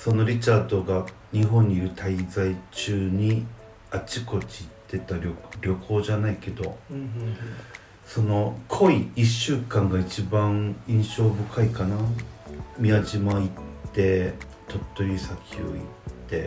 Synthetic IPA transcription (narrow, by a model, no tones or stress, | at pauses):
so̞no̞ɾʲit͡ɕaːd̪o̞ɡa | ɲ̟iɦõ̞ɲ̟ːiːɾɯ̟t̪ʰaizait͡ɕɨːɲ̟i | at͡ɕiko̞t͡ɕiːt̪ːe̞t̪aɾʲoɾʲo̞kʰo̞ːʑanaike̞d̪o̞ | so̞no̞kʰo̞iiɕːɨːkãŋɡait͡ɕibãŋĩɰ̃ɕo̞ːbɯ̟kʰaikana | mʲiad͡ʑimoitt̪ːe̞ | t̪o̞t̪ːoisakʲʰio̰ḭtt̪ːe̞̰